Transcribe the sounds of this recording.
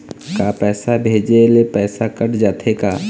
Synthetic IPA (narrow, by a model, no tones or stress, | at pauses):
kapɛːsabʱeːd͡ʒelepɛːsakəʈd͡ʒaːt̪ʰekaː